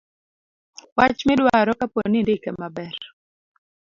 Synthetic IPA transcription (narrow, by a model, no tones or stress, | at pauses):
wat͡ʃmɛdwaɾɔkaponindekɛmabɛr